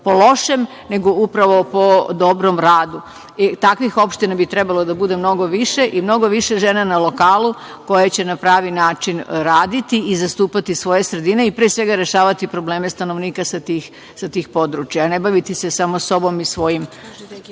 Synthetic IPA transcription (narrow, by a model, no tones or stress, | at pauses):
polˠo̞ʃe̞m | ne̞ɡo̞upɾaʋo̞po̞d̪o̞bɾo̞mɾaːd̪u | t̪akʋixo̞pʃt̪inabit̪ɾe̞balod̪abud̪e̞mno̞ɡo̞ʋiʃe̞ʔimno̞ɡo̞ʋiʃe̞ʒeːnanalo̞kaːlu | ko̞jat͡ɕe̞napɾaːʋinaːt͡ʃinɾaːd̪it̪iizast̪uːpat̪isʋo̞je̞sɾe̞d̪ine̞ipɾesʋe̞ɡaɾe̞ʃaːʋat̪ipɾo̞ble̞ːme̞st̪ano̞ʋniːkasat̪iːx | sat̪iːxpo̞d̪ɾut͡ʃjanebaʋit̪ise̞samoso̞bo̞misʋo̞jim